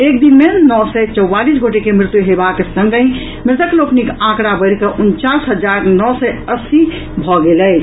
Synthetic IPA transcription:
ek̚d̪inmenɔsɛt͡ʃɔwːalisɡʱoʈekemɾɪt̪uɦebakesə̃ŋɡəĩ | mɾɪt̪əkloknikãkɾabəɪɾkəʔunt͡ʃasɦəd͡ʒaɾnɔsɛəsi | bʱɔɡelɛt͡ʃ

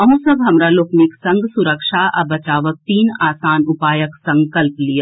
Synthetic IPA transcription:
ɐɦũsɐbɦɐmɾaloːkniksɐ̃ŋɡsʊɾəkʃaʔɐ̰bɐt͡ʃaːʋək̚t̪iːnaːsaːnʊpaːjəksɐ̃ŋkɐlplija

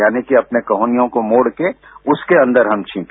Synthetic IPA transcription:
jaːnikiɐpnekɐɦoːnijõkomoːɽke | ʊskeɐ̃nd̪əɾɦɐmt͡ʃʰĩːk

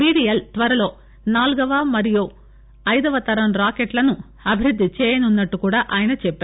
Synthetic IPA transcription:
biːɽijɐlt̪ʋɐɾɐlo̞ː | naːluɡɐʋaːmɐɾiju | ɐjd̪ɐʋɐt̪ɐɾɐmɾaːkeʈlɐnu | ɐbʱiɾud̪ʱːit͡ʃɛːjɐnunːɐʈːukuːɽaːʔaːjɐnɐt͡ʃɛpːeː

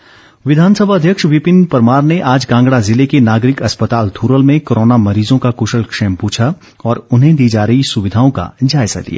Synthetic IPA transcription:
ʋɪd̪ʱaːnsəbʱaɐd̪ʱjəkʃʋɪpɪnpɐɾmaːɾneʔaːd͡ʒɡãːŋɡɽazɪlekenaːɡɾɪkɐspət̪aːlt̪ʰuːɾəlmẽkoːɾoːnamɐɾiːzõkakʊʃəlkʃeːmpuːt͡ʃʰa | ɔːɾʊnɦẽd̪iːd͡ʒaːɾɐɦisʊʋɪd̪ʱaːõka̰d͡ʒaːɪza̰d̪ḭja̰ː

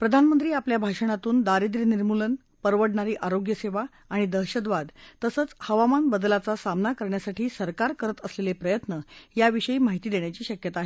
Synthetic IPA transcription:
pɾəd̪ʱanmənt̪ɾiːapljabʱaʂəɳat̪uːnd̪aɾid̪ɾəniɾmulən | pəɾʋəɽɳaɾiːʔaɾoɡjəseʋa | aɽ̃id̪əɦɕəd̪ʋad̪t̪əsət͡shəʋamanbəd̪lat͡sasamnakəɾɳjasaʈiːsəɾkaɾkəɾət̪əslelepɾəjət̪nəjaʋiʂəjiːmaɦit̪iːd̪eɳjat͡ɕiːɕəkjət̪aɦe

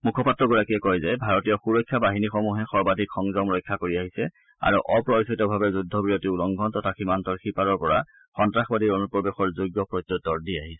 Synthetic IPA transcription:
mukʰɔpatːɹɔɡɔɹakiɛkɔjzɛbʱaɹɔtijɔxuɹɔjkʰːabaɦinixɔmuɦɛxɔɹbadʱikxɔŋzɔmɹɔjkʰːakoɹiaɦisɛ | a̰ɹuʔɔpɹɔsɔitɔbʱabɛzudʱːɔbɹiɹotiulɔŋɡʱɔntɔtʰaximantɔɹxipaɹɔɹpɔɹa̰ | xɔntɹaxbadiɹonupɹɔbexɔɹzuɡjɔpɹɔtːɔtːɔɹdiaɦisɛ̥

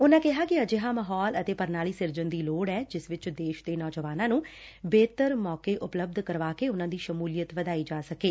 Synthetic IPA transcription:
ʊnãːkɪɦaːkɪəd͡ʒɪɦaːmaːɦɔːlət̪eːpəɾnaːliːsɪɾd͡ʒənd̪iːloːɽɛːd͡ʒɪsʋɪt͡ʃd̪eːʃd̪eːnɔːd͡ʒəʋaːnãːnũːbeːt̪əɾmɔːkeːʔʊpləb̚d̪kəɾʋaːkeːʊnãːd̪iːʃəmuːlijət̪ʋəd̪aːiːd͡ʒaːsəkeː

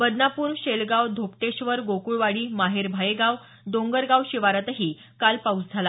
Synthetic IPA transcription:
bəd̪napuːɾɕelɡaʋd̪ʱop̚ʈeɕʋəɾɡokuɭʋaɽiːmaɦeɾbʱajeɡaʋ | d̪oŋɡəɾɡawɕiʋaɾat̪ɦiː | kalpaut͡sd͡zʱala

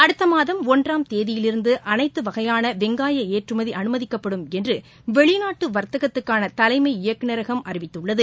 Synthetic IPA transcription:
ɐɽɯt̪ːɐmaːðɐmɔndraːmt̪eːðɪjɪlɪɾɯnd̪ɯʔɐnɐɪt̪ːɯʋɐɣɐjaːnɐʋɛŋɡaːjɐeːʈrɯmɐðiʔɐnɯmɐðɪkːɐpːɐɽɯmɛndrɯ | ʋɛɭɪnaːʈːɯʋɐɾt̪ɐɣɐt̪ːɯkːaːnɐt̪ɐlɐɪmɐɪɪjɐkːɯnɐɾɐɣɐmɐɾɪʋɪt̪ːɯɭːɐðɯ

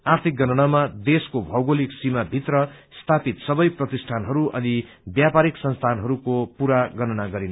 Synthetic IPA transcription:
art̪ʰik̚ɡʌnʌnamad̪eskobʱʌwɡoliksimabʱit̪rʌ | st̪ʰapit̪sʌbʌjprʌt̪isʈʰanɦʌɾuʔʌ̰ni | bjapaɾiksʌnst̪ʰanɦʌɾukopuɾaɡʌnʌnaɡʌɾin

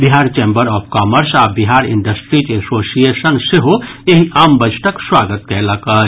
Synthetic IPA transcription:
biɦaːɾt͡ʃeːmbəɾɔːpʰkaːməɾsaːbiɦaːɾɪ̰̃ɳɖəsʈɾit͡ʃesoːsijesənseɦoeɦiʔaːmbəd͡ʒʰʈəkswaːɡət̪̚kɛlɐkə

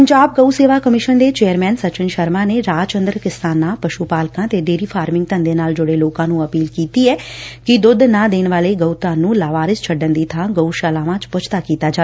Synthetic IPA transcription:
əɲd͡ʒaːb̚ɡəuseːʋaːkəmɪʃənd̪eːt͡ʃeːəɾmɛːnsət͡ʃənʃəɾmãːneːɾaːd͡ʒt͡ʃə̃nd̪ɾəkɪst̪aːnãːpəʃuːpaːlkãːt̪eːɖeːɾiːpʰaːɾmɪ̃ŋɡt̪ə̃nd̪eːnaːld͡ʒʊɽeːloːkãːnũːəpiːlkiːt̪iːɛːkɪd̪ʊd̪nãːd̪eːnʋaːleːɡəut̪ãːnũːlaːʋaːɾɪst͡ʃʰəɖənd̪iːt̪ʰãːɡəuʃaːlaːʋãːt͡ʃpʊt͡ʃʰt̪aːkiːt̪aːd͡ʒaː

